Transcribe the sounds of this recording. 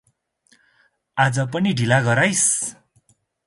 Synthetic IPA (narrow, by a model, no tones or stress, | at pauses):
ad͡zʌpʌniɖʱilaɡʌɾajs